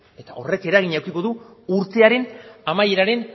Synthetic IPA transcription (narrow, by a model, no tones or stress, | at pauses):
e̞t̪ao̞re̞ke̞ɾaɣ̞iɲawkiko̞ðuuɾt̪e̞aɾe̞namaje̞ɾaɾe̞n